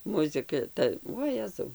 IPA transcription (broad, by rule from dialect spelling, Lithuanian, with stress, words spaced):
mʊzʲɪˈkɐ ˈtɐ oːˈjæːzɐʊ